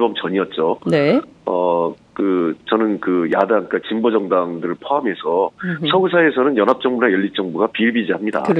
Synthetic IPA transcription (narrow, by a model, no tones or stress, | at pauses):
bʌmt͡ɕʌɲiʌt̚t͡ɕ͈oneʌkɯt͡ɕʌnɯnkɯjadaŋk͈at͡ɕimbod͡ʑʌŋdaŋdɯɾɯɭpʰoamesʰʌsʰʌɡusʰae̞sʰʌnɯnjʌnɦap̚t͡ɕ͈ʌŋbunajʌʎːit͡ɕ͈ʌŋbuɡapiɭbid͡ʑiɦamɲida̰